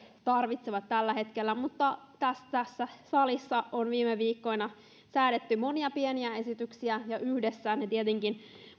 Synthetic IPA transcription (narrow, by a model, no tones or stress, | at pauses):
t̪ɑrʋit̪seʋɑt̪t̪ælːæɦe̞t̪kelːæmut̪ːɑt̪æst̪æsːæsɑlisːɑonʋiːmeʋiːkːo̞inɑ | sæːɾet̪ːymo̞niɑpieniæe̞sit̪yksiæjɑʔyhdesːæːnet̪iet̪eŋkin